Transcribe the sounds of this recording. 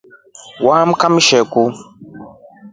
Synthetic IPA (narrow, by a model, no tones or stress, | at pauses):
waːm̩kamʃɛku